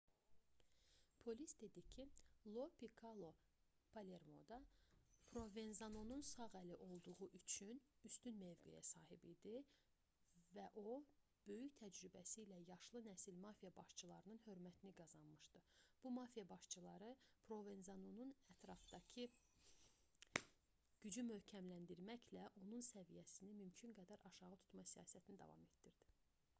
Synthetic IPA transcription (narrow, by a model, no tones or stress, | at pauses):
pʰo̞lisd̪e̞d̪icʰilˠo̞pikʰɑlˠo̞ | pʰɑle̞ɾmo̞̰d̪ɑpʰɾo̞venzɑnonunsɑʁæliʔo̞lˠd̪uʁuʔyt͡ʃʰynyst̪ynmøvɡḛjæ̰sɑːɦibid̪i | væʔo̞ | b̥ø̞jyçt̪ʰæd͡ʒɾybæsiːlæjɑʃlˠɯnæsilmɑfijɑbɑʃt͡ʃʰɯlˠɑɾɯnɯnhø̞ɾmæt̪ʰiniɡɑzɑnmɯʃd̪ɯb̥umɑfijɑbɑʃt͡ʃʰɯlˠɑɾɯpʰɾo̞venzɑnununæt̪ʰɾɑfd̪ɑcʰɯ | ɟ̥yd͡ʒymø̞hcʰæmlænd̪iɾmæçlæʔo̞nunsævijæsinimymcʰyŋɡæd̪æɾʔɑʃɑʁɯt̪ʰu̥t̪mɑsijɑ̰ːsæt̪ʰinid̪ɑ̰vɑ̰me̞t̪d̪iɾd̪̥i̥